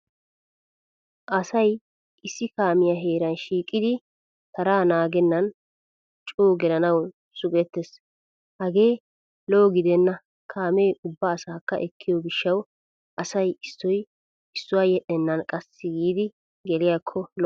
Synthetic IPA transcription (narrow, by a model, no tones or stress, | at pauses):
ʔɐsɐj | ʔɪsːɪkaːmɪjɐɦeːɾɐnʃiːkʼːɪd̪ɪ | t̪ɐɾaːnaːɡɛnːɐn | t͡ʃʼoːɡɛlɐnɐw | sʊɡɛt̪ːɛs | hɐɡe̞ː | lo̞ːɡɪd̪ɛnːɐ | kʰaːmejʔʊbːɐːsaːkːɐ̰ʔɛkʰːɪjɔɡɪʃːɐw | ʔɐsɐjɪsːɔj | ɪsːʊwaːjɛɗːɛnːɐnkʼɐsːɪɡiːd̪ɪ | ɡɛlɪjakʰːɔl